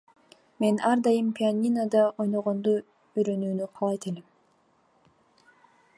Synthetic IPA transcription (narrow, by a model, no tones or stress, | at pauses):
me̞nʔɑɾd̪ɑjɯmpʲianʲinad̪ɑo̞jnoʁo̞nd̪u | yɾø̞nyːnyqʰɑlˠɑjt̪elem